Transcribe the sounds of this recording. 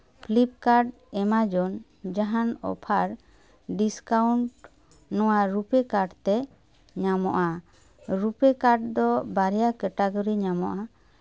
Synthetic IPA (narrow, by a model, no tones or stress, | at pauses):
pʰlip̚kaɾɖ | ɛmad͡ʒɔn | d͡ʒaɦanɔ̰pʰaɾ | ɖiskauɳʈ | nɔwaɾupekaɖt̪ɛ | ɲamɔʔa | ɾupɛkaɾɖ̚d̪ɔbaɾɛjakɛʈaɡɔɾiɲamɔʔa